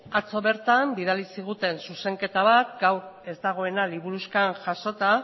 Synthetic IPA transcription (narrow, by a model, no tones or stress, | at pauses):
at͡so̞βe̞ɾt̪ambiðalisiɣ̞ut̪e̞nsuse̞ŋke̞t̪aβ̞at̪̚ɡawe̞zd̪aɣ̞o̞e̞naliβuɾuskanʝaʃo̞t̪a